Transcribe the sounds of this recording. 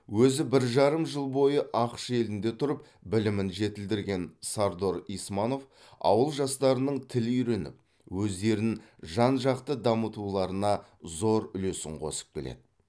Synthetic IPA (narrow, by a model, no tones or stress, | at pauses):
wɵzɪbɪɾʒɑɾəmʒəlˠbo̞jəʔɑqə̥ʃe̞lɪnd̪e̞t̪ʰʊɾəp | bɪlɪmɪnʒe̞t̪ɪld̪ɪɾɡʲe̞nsaɾd̪o̞ɾijsmɑno̞f | ɑ̰wəlˠʒɑst̪ɑɾənəɴt̪ʰɪlijɾe̞nɪ̰p̚ | wɵzd̪e̞ɾnɪnʒɑnʒɑqt̪əd̪ɑmət̪ulˠɑɾənɑzo̞ɾʏlesɪ̰ɴqʰo̞̰sə̥p̚kʲʰe̞lḛd̪ɪ